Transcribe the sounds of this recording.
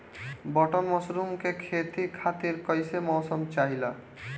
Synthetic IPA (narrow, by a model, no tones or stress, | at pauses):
bɔʈɔnmɔsɾumkekʰet̪ikʰat̪iɾkəjsemɔːsɔmt͡ʃaɦila